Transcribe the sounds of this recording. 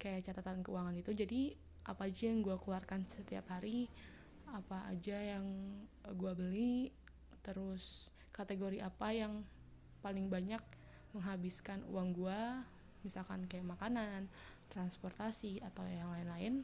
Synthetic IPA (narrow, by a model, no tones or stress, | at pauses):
kajaʔt͡ʃat̪at̪ankəṵwaŋanit̪ud͡ʒadi | ʔa̰paːd͡ʒajaŋɡuakluarkansət̪ia̰phaɾi | apa̰ːd͡ʒajaŋɡuabəli | t̪əɾʊs | kat̪eɡoɾiʔapajaŋ | palɪŋbaɲak̚ | məŋɦabɪskanṵaŋɡua | misalkankajaʔmakanan | t̪ɾanspɔrt̪asiat̪awjjaŋlaɪnlaɪn